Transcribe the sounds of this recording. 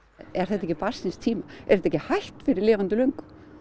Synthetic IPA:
ɛɾ̥θɛht̪ɛcɪpasɪnst̪ʰiːmaɛɾ̥ɛt̪ɛcɪhajht̪fɪɾɪɾlɪːvant̪ʏlœŋk

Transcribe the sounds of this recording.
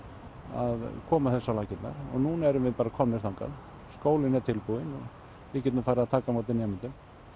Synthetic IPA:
a̰ðkʰɔːmaθɛsːawlaːcɪt̪na̰ɾ̥ɔ̰ɣnuːnaɛɾʏmvɪðpaːɾakʰɔmnɪɾθawŋka̰ð | skoːwlɪnɛt̪ʰɪlpuðɪnɔɣ | ɪcɛt̪nʏfaːjɾɪaðt̪ʰaːkamawt̪ɪnjɛmɪnt̪ʏm

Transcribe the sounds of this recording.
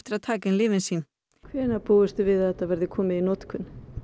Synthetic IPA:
ft̪ɪɾaðt̪ʰaːcɪnlɪːvɪnsiːn | kʰvɛːnapuːʏst̪ʏvɪðɛt̪avɛɾðɪkʰɔːmɪðinɔt̪kʰʏn

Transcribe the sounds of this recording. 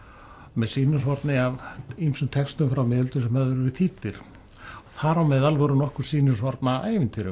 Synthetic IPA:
mɛðsiːnʏsvɔɾt̪nɪavimsʏmt̪ʰɛkst̪ʏmfɾawmɪːðʏlt̪ʏsɛmhɛðʏɾʏɾɪt̪ʰit̪ɪɾ̥ | ɔθaɾawmɛðalvɔɾʏnɔhkʏɾ̥siːnʏsvɔɾt̪naajvɪnt̪ʰɪɾʏ̰

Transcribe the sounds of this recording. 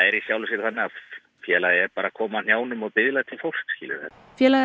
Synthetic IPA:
ɛɾisjawlʏsjɛɾθanːɪa | fjɛːlaðɪɛɾpaːɾakʰɔːman̥jaːwnʏmɔɣpɪðlaðt̪ʰɪlfowl̥skskiːlɪ̰ɾ̥hɛn | fjɛːla

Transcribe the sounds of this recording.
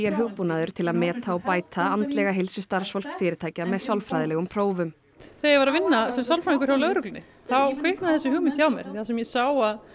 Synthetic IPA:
jɛɾ̥ɦʏɣpunaðʏɾ̥t̪ʰɪlaðmɛːt̪ʰaɔpaːjt̪ʰaant̪lɛɣaɦɪlsʏst̪aɾ̥sfɔl̥kfɪːɾɪt̪ʰaːjcamɛðsawlfɾajðɪlɛɣʏmpʰɾ̥oːwvʏm | θejvaɾavɪnːasɛmsawlfɾaniŋkʏɾ̥jawlœɣɾʏklʏnɪ | θawkʰvɪhknaðθɛsʏhʏːɣmɪnt̪ʰçawmjɛ̰ɾɪθasɛmjɛsaːwað

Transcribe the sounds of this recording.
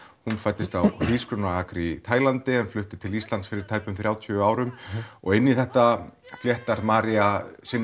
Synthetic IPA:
hunfajt̪ːɪst̪awhiːskɾʏnaakɾit̪ʰaːjlant̪ɪɛnflʏht̪ɪt̪ʰɪlist̪lant̪sfɪɾɪɾ̥t̪ʰajpʏmθɾjaːwt̪ʰːaːwɾʏmɔɣɪnːiθɛht̪afljɛht̪aɾmaːɾiasɪnː

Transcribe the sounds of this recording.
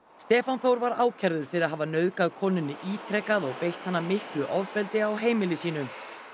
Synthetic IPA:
st̪ɛːfanθowɾvaɾaːwcʰɛɾðʏɾ̥fɪɾɪɾaðɦavan̪œɥðkaðkʰɔːnʏnːɪʔiːt̪ʰɾɛkaðɔɣpejht̪hanːamɪhklʏʔɔvpɛlt̪ɪawɦeːjmɪlɪsiːn̪ʏ

